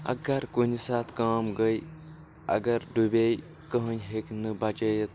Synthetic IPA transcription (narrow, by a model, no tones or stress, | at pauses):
ɐ̰ɡɐɾkunisaːt̪ʰkaːmɡəj | ɐ̰ɡɐɾɖubej | kəɦənʲɦeknɨbɐt͡ʃɐjet̪̚